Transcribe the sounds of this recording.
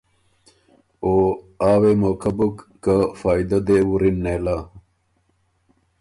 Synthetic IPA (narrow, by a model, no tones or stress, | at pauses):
oː | aːwemoːkʰɐbukːafaːid̪ɐd̪ewuɾinːeːla